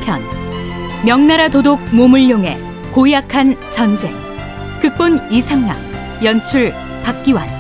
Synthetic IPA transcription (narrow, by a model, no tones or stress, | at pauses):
pʰjʌ̰n | mjʌŋnaɾatodok̚momuɭjoŋe̞̰ | kojakʰant͡ɕʌnd͡ʑḛŋ | k͈ɯk̚p͈onisʰaŋna̰ŋ | jʌnt͡ɕʰuɭ | pak̚k͈iwa̰n